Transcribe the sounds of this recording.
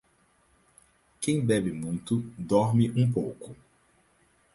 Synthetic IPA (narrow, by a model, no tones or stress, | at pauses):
kẽj̃bɛbɪmũj̃t̪ʊd̪ɔɾmɪʔũp̬owkʊ